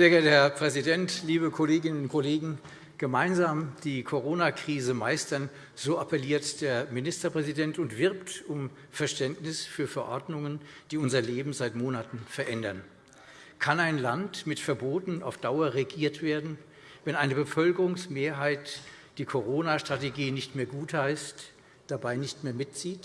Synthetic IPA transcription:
z̥eːɐɡɛɐthɛɐpʁ̥ɛzidɛntliːβəkʰoleːɡɪnənʊnkʰɔleːɡŋ̩ | ɡ̥əmaɪnzaːmd̥iːkʰoʁoːnakʁ̥iːzəmaɪstɐn | z̥oːʔapʰɛliːɐtd̥eːɐminɪstɐpʁ̥ɛzidɛntʊntv̥ɪɐptʊm | fɛɐʃtɛntnɪsfyːɐfɛɐʔɔɐdnʊŋənd̥iːʊnzɐleːbm̩zaɪtmoːnatn̩fɛɐʔɛndɐn | kʰanaɪnlantmɪtfɛɐboːtn̩a̰ʊfd̥aʊɐʁeɡiːɐtv̥eːɐdn̩ | vɛnʔaɪnəbəfœlkəʁʊŋsmeːɐɦaɪtd̥iːkʰoʁoːnaʃtʁ̥ateɡiːnɪçtmeːɐɡuːthaɪst | d̥abaɪnɪçtmeːɐmɪt̚t͡siːt

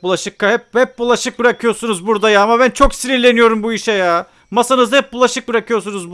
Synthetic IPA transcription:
bulˠaʃɯkʰːahɛp̚hɛp̚bulˠaʃɯk̚bɯɾakʰɯjo̞ɾsunuzbuɾd̪ajaamaβænt͡ʃʰo̞ksiɾilʲe̞nijo̞ɾumbuiʃɛjaː | masanɯzhɛp̚bulˠaʃɯk̚bɯɾakʰɯjo̞ɾs̬unuzb

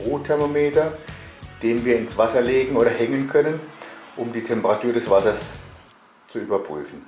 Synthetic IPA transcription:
ʁuːtʰɛɐmomeːtɐ | d̥eːnviːɐɪnsv̥asɐleːɡŋ̩oːɾɐhɛŋənkʰœnənʔʊmdiːtʰɛmpəʁatʰuːɐdɛsv̥asɐs | t͡suʔyːbɐpʁ̥y̰ːfn̩

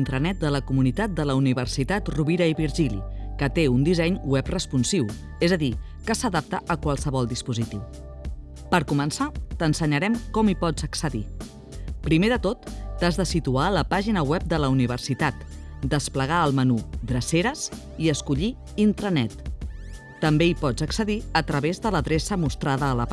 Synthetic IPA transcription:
nt̪ɾənɛt̪̚d̪ələkumunit̪at̪̚d̪ələuniβərsit̪at̪ruβiɾəiβiɾʒilḭkət̪eund̪izɛɲwɛprəspunsiw | ezəði | kəsəðap̚t̪əʔəkwalˠsəβɔlˠd̪ispuzit̪iw | pəɾkumənsat̪ənsəɲəɾɛmkɔmipɔd͡zəksəðḭ | pɾimeðət̪ot̪ːazðəsit̪uaələpaʒinəwɛp̚d̪ələuniβ̞əɾsit̪at̪d̪əspləɣ̞aəlˠmənud̪ɾəseɾəs | iəskuʎi | int̪ɾənɛt̪ː | əmbeipɔd͡zəksəðiət̪ɾəβezðələðɾesəmust̪ɾaðəːlə

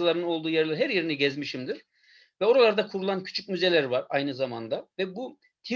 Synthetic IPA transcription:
lˠaɾɯnɯno̞lˠd̪uːjɛɾlˠaɾɦæɾjeɾiniɟɛzmiʃimd̪iɾ̥ | vɛo̞ɾalˠaɾd̪akʰuɾulˠancʰy̥t͡ʃʰyc̚myze̞lʲæɾvaɾajnɯzamand̪avɛbu | t̪ʰi

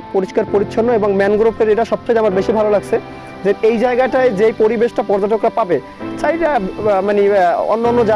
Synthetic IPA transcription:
poɾiʃkaɾpoɾitːɕʰonːoeboŋmɛnɡɾopʰeɾeʈaʃɔb̚t͡ɕʰejamaɾbeʃibʱalolaɡt͡ɕʰe | d͡ʑeejd͡ʑaeɡaʈaed͡ʑejpoɾibeʃʈapɔɾd͡ʑaʈokɾapabe | t͡ɕajʈamanio̰nːonːod͡ʑa

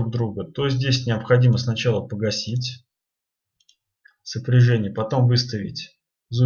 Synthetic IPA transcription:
ɡ̚d̪ɾuɡət̪ozʲdʲesʲnʲɪəpxɐdʲiməsnɐt͡ɕalˠəpəɡɐsʲitʲ | səpɾʲɪʐɛnʲɪjəpɐt̪o̞mvɨst̪əvʲɪ̰tʲ | zu

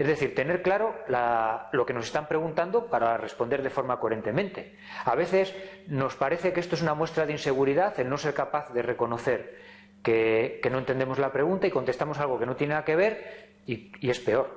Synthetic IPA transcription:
e̞zðe̞θiɾt̪e̞ne̞ɾklaɾo̞lalo̞ke̞no̞se̞st̪ampɾeɣunt̪and̪opaɾare̞spo̞nd̪eɾðe̞fo̞ɾmakoe̞ɾe̞nt̪emẽnt̪e̞ | aβe̞θe̞sno̞spaɾe̞θe̞keest̪oesunamwe̞st̪ɾaðeinse̞ɣ̞uɾiðaθelno̞se̞ɾkapaθðe̞re̞ko̞no̞θe̞ɾ | ke̞keno̞ent̪e̞nd̪emo̞zlapɾe̞ɣ̞unt̪aiko̞nt̪e̞st̪amo̞s̬alɣ̞o̞ke̞no̞t̪jeneaake̞β̞e̞ɾ | iie̞spe̞o̞ɾ

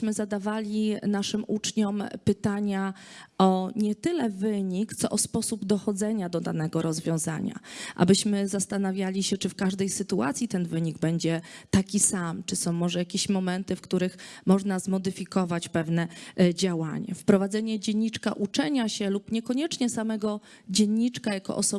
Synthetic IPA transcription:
mɘzad̪avalʲinaʂɘmut͡ʂɲɔmpɘt̪aɲaɔɲɛt̪ɘlɛvɘɲikt̪sɔʔɔspɔsubd̪ɔxɔd̪zɛɲad̪ɔd̪a̰nɛɡɔɾɔzvʲjɔ̃w̃za̰ɲa̰ʔa̰bɘɕmɘzast̪anavʲjalʲiɕɛt͡ʂɘfkaʐd̪ɛjsɘt̪ua̰t̪sʲjit̪ɛnvɘɲiɡbɛɲd͡ʑɛt̪akʲisamt͡ʂɘsɔ̃w̃mːɔʐɛjakʲeɕmɔmɛnt̪ɘfkt̪uɾɘxmɔʐnazmɔd̪ɘfʲikɔvat͡ɕpɛvnɛd͡ʑawa̰ɲa̰fpɾɔvad̪zɛɲɛd͡ʑɛɲʲːit͡ʂkaʔut͡ʂɛɲaɕɛlupɲɛkɔɲɛt͡ʂɲɛsamɛɡɔ | d͡ʑɛɲːit͡ʂkajakɔ̰ʔɔ̰sɔ

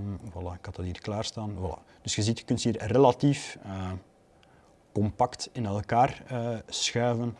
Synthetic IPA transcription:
wɑlˠakɑtɑtiːrklaːrstaːnwɑla̰ | d̥ɵsxəzitxə̥kʏnthiːrrelatiːf | kɔmpɑktɪnɛlˠkaːrəːsxœːvən

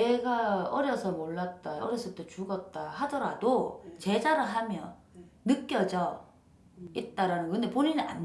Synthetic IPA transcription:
eɡaʌɾjʌsʰʌmoɭːat̚t͈aʌɾjʌs͈ʰʌt͈ot͡ɕuɡʌt̚t͈ahadʌɾadot͡ɕe̞d͡ʑaɾɯɭɦamjʌ̰nɯk͈jʌd͡ʑʌ | it̚t͈aɾanɯnɡʌkɯndeponinɯa̰n

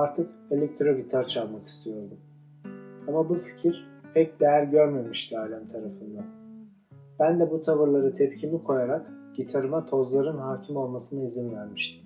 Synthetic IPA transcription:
aɾt̪ʰɯke̞lʲɛc̚t̪ʰɾo̞bit̪ʰaɾt͡ʃʰalˠmaki̥st̪ʰijo̞ɾd̪um | amabufi̥cʰiɾ̥pʰɛc̚d̪ejæɾɟø̞ɾme̞miʃt̪ʰiaːlʲænt̪ʰaɾafɯnd̪ˠa | b̥ænd̪ɛbut̪ʰavɯɾlˠaɾɯt̪ʰɛpcʰimikʰo̞jaɾakɟ̥it̪ʰaɾɯmat̪ʰo̞zlˠaɾɯnɦaːcʰimo̞lˠmasɯnaizinvæɾmiʃt̪ʰim

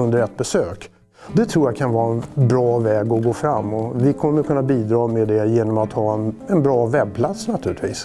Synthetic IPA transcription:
ɵnd̪əɾɛt̪̚ːbɛsøːk | d̪ɛt̪ʰɾuːjakʰanvɑːɾaɛnbɾɑːvɛːɡɔɡoːfɾamːɔvɪkʰɔmːəɾkʰɵnːabiːd̪ɾɑːmɛd̪ɛjeːnɔmat̪hɑːɛnɛnbɾɑːvɛb̚pʰlat̪snat̪ʰʉ̟ːɾlɪt̪viːs

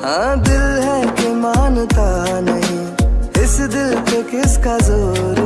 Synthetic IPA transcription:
ɦãːd̪ɪlɦɛkemaːnt̪aːnɐɦĩːɪsd̪ɪlt̪okɪskazoːɾ

